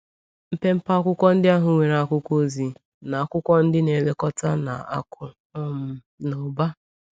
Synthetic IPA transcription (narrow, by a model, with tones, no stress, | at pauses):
m̩˦pe˦m̩˦pa˦kʷʊ˦kʷɔ˦n̩˦dɪ˦a˦ɦʊ˨ŋʷe˨ɾa˨kʷʊ˦kʷo˦zi˨ | na˨a˨kʷʊ˦kʷɔ˦n̩˦dɪ˦ne˨le˦kɔ˦ta˦na̰˨a̰˦kʰʊ˨ | ɔ˦m̩˨ | no˨ba˦